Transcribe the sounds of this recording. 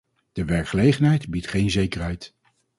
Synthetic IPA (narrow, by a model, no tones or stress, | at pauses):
d̥əʋɛɹkχəlejχənɦɛjdbitχejnzejkərɦɛjt